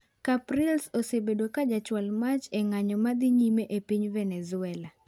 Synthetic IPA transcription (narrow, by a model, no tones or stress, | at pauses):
kapɾɪlsosebedokad͡ʒat͡ʃwalmat͡ʃeŋaɲɔmad̪iɲimeʔepiɲvɛnɛzʊɛla